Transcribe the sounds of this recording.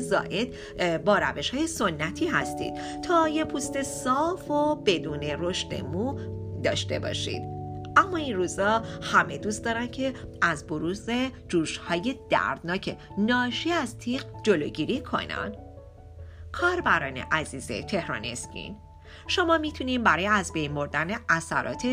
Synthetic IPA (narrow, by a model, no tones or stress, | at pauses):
zɒ̰ːʔe̞d̪̥ | bɒːɾæve̞ʃhɒːje̞so̞nːæt̪ʰiːhæ̰st̪ḭd̪̥ | t̪ʰɒːjepʰuːst̪e̞sɒːfobe̞d̪uːne̞ɾo̞ʃt̪e̞̰mud̪ɒːʃt̪e̞̰bɒ̰ːʃḭd̪̥̚ʔæmːɒːinruːzhɒːhæme̞d̪uːst̪d̪ɒːɾæncʰe̞ʔæzboɾuzed͡ʒuːʃhɒːje̞d̪̥æ̰ɾd̪nɒːcʰe̞ | nɒːʃiæzt̪ʰiːqd͡ʒoloːɟiɾiːkʰo̞̰næ̰nd̪ | kʰɒːɾbæɾɒːne̞̰ʔæziːze̞̰t̪ʰe̞hɾɒ̰ːne̞̰scḭn | ʃomɒːmit̪ʰuniːmbæɾɒːjeæzbe̞jnbo̞ɾd̪æne̞ʔæsæ̰ɾɒ̰ːt̪ʰe